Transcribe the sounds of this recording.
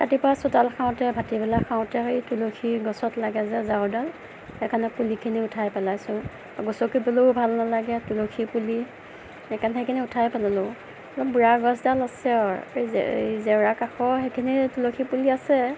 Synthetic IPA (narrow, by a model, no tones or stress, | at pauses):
ka̰tipɹasɔtalkʰaʊ̃tɛbʱatibɛlakʰawʊ̃tɛejtulokʰiɡɔsɔtlaɡɛzɛzaʊdal | ɛkʰanɛpulikʰiniʊtʰajpɛlajsʊ̃ | aɡɔsɔkibɔlobʱalnalaɡɛtulokʰipuli | ɛkʰanxejkʰiniʊtʰajpɛlalo | lɔbuɹaɡɔsdalasɛɔɹḛjzɛɹakaxɔxekʰinitulokʰipuliasɛ